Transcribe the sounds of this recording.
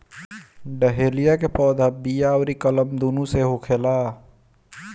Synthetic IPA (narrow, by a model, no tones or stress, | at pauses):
ɖəɦeːlijakepɔːd̪ʱabijaːwɾikələmd̪uːnũseɦʊkʰeːlaː